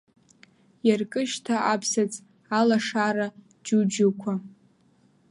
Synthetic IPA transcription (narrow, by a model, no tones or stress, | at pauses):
jarkʼɨʃtʰaʔapʰsat͡sʼ | alaʂaɾa | d͡ʒud͡ʒʊkʷʰa